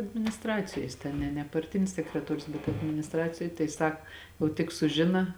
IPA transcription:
ɐdʲmʲɪnʲɪsˈtrɑːt͡sʲɪjoːj jɪs ˈtʲɛn nʲɛ nʲɛ pɐrʲˈtʲɪnʲɪs sʲɛkrʲɛˈtoːrʲʊs bʲɛt ɐdʲmʲɪnʲɪsˈtrɑːt͡sʲɪjoːj tɐɪ ˈsɐk oː tʲɪk sʊˈʒʲɪnɐ

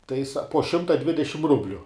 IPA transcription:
tɐɪ sɐ poː ˈʃʲɪmtɐ ˈdʲʋʲɪdʲɛʃʲɪm ˈrʊbʲlʲʊ

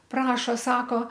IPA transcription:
ˈprɑːʃoː ˈsɑːkoː

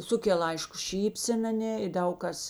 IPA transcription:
ˈsʊkʲɛlˠ ˈɐɪʃkʊ ˈʃʲiːpʲsʲɛn ɐˈnʲeː ɪ ˈdɐʊk kɐs

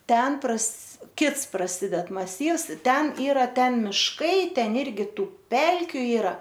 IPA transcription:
ˈtʲɛn prɐs ˈkʲɪts prɐˈsʲɪdʲɛt mɐˈsʲiːws ˈtʲɛn ˈiːrɐ ˈtʲɛn ˈmʲɪʃkɐɪ ˈtʲɛn ˈɪrʲɡʲɪ ˈtuː ˈpʲɛlʲkʲʊ ˈiːrɐ

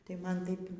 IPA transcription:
tɐɪ ˈmɐn ˈtɐɪp

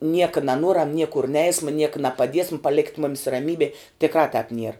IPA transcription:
ˈnʲiɛkɐ nɐˈnuɔrɐm ˈnʲiɛkʊr ˈnʲɛɪsmɐ ˈnʲiɛkɐ nɐpɐˈdʲiɛsm pɐˈlʲæːkʲɪt ˈmoːmʲɪs rɐˈmʲiːbʲeː tʲɪkˈrɑː tɑːp nʲiɛr

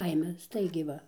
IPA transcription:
ˈkɐɪmʲɛ ˈstɐɪɡʲɛɪ ˈʋɐ

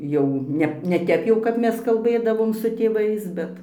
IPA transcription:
jɛʊ ˈnʲɛ nʲɛ ˈtʲɛp jɛʊ kɐp ˈmʲɛs kɐlˠˈbɘdɐʋoːm sʊ tʲeːˈʋɐɪs ˈbʲɛt

